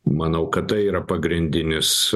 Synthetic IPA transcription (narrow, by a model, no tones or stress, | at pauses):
mɐnɐʊkɐt̪t̪ɐɪiːɾɐpɐɡɾʲɪnʲd̪ʲɪnʲɪs